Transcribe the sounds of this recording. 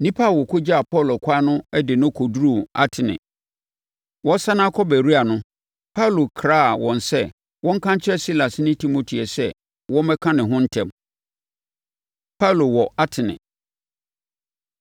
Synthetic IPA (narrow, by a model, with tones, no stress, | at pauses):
nĩ˦pʰa˦˨wɔ˨kʰʊ˦d͡ʑa˦a˨pʰɔ˦˨lo˨kʰa˦nʊ̃˦ɛ˦dɪ˨nʊ̃˦kʰɔ˨du˦ɾu˦˨a̰˦tʰɪ˨nɪ̰̃˨ | wɔ̃˦sa˦nã˦kʰɔ˦bæ˨ɾi˦a˨nʊ̃˦ | pʰa˦˨lo˨kʰɾaː˦˨wɔ̃˨nsɛ˦ | wɔ̃˦ŋ̩˦kʰã˦ɲ˦t͡ɕʰɪ˦ɛ˦si˦la˨snɪ̃˦tʰi˦mo˨tʰi˨ɛ˨sɛ˦ | wɔ̃˦mɛ˦kʰã˦nɪ̃˨ɦʊ̃˦n̩˦tʰɛ̃˨m | pʰa˦˨lo˨wɔ˨a˦tʰɪ˨nɪ̰̃˨